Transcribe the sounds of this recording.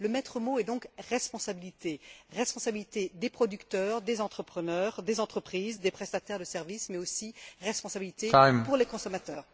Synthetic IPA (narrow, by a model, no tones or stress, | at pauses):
ləmɛt̪χəmoɛd̪ɔ̃kʁɛspɔ̃sabilit̪eʁɛspɔ̃sabilit̪ed̪epχɔd̪ykt̪œːʁd̪ezɑ̃t̪χəpχənœʁd̪ezɑ̃t̪χəpχizd̪epχɛst̪at̪ɛʁd̪əsɛʁvismɛosiʁɛspɔ̃sabilit̪empuʁlekɔ̃sɔmat̪œːʁ